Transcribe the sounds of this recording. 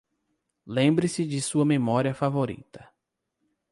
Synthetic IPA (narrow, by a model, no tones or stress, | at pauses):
lẽmbɾɪsɪd͡ʒɪsuɐmemɔɾiɐfavoɾḭt̪ɐ